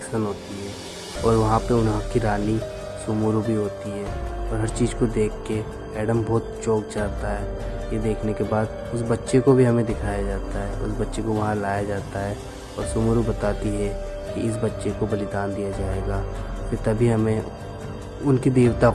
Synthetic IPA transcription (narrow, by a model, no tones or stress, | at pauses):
ksənɦoːt̪iɦɛː | ɔːɾʋɐɦãpeʊnɦãkiɾaːni | sʊmuɾubʱiɦoːt̪iɦɛɔːɾɦɐɾt͡ʃiːzkod̪eːkʰːe | ɛːɖəmbɔːt̪t͡ʃoːk̚t͡ʃaːt̪aɦɛːjed̪eːkʰnekebaːd̪ | ʊsbɐtːʃekobʱiɦɐmẽd̪ɪkʰaːjad͡ʒaːt̪aɦɛːʔʊ̰sbɐtːʃekoʋɐɦãlaːjad͡ʒaːt̪aɦɛː | ɔ̰ːɾsʊmuɾubɐt̪aːt̪iɦɛ | kiɪs̬bɐtːʃekobɐlɪd̪aːnd̪ijad͡ʒaːeːɡaːkit̪ɐbʱiɦɐmẽ | ʊnkid̪eːʋt̪a